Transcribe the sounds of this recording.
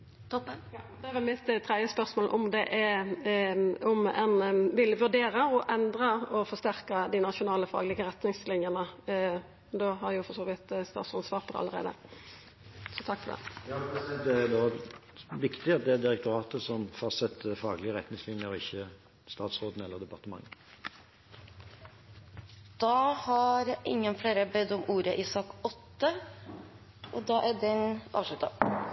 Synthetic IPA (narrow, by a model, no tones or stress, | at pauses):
t̪ɔpːd̪ɛæʋɛlmɪt̪ːt̪ʰɾɛd̪jəspœɾsmoːlʔɔmd̪ɛʔɛ | ɔmɛnʋɪlʋʉʁɖ̪eːɾəɔʔɛnd̪ɾəɔfɔst̪æɾkəd̪ɪnɑʃʊnɑːləfɑ̰ːɡəlɪɡəɾɛt̪nɪŋslɪnjənə | d̪oɦɑɾjʊfɔsoːʋɪt̪st̪ɑ̰ːt̪sɑnsʋɑːɾpʰɔɑ̰lːəɾʁḛːd̪ə̰ | sɔt̪ʰɑkːfɔd̪ɛ̰jɑɛd̪ɛæd̪oː | ʋɪkt̪ɪɑt̪̚d̪ɛæd̪ɪɾɛk̚t̪ʊɾɑːt̪əsɔmfɑʁsɛt̪ːəfɑːɡlɪəʁɛt̪nɪŋslɪŋəɾɔɪçːə | st̪ɑːt̪sʁoːd̪n̩ɛlːəʁd̪ɛpɑʁt̪əmɑ̰ŋːə | d̪̥ɑːhɑɾʔɪ̰ŋːənfleːɾəbɛd̪ɔmʔuːɾəʔiːsɑkɔt̪ːə | ʔɔd̪ɑːʔæɖ̪ɛnɑ̰ːʋʂlʉt̪ə